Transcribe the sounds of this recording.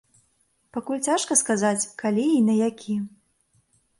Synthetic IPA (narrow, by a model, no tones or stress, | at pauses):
pakulʲt͡sʲaʂkɐskazat͡sʲkalʲiːnɐjakʲʰi